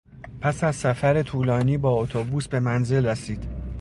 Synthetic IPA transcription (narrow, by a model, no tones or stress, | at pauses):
pʰæsæzsæfæɾe̞t̪ʰuːlɒːniːbɒːot̪ʰobuːsbe̞mænze̞lræsiːd̪̥